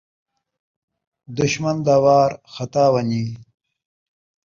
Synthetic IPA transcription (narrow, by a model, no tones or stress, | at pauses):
d̪ʊɕmɐnd̪aːwaːɾxɐt̪aːwɐni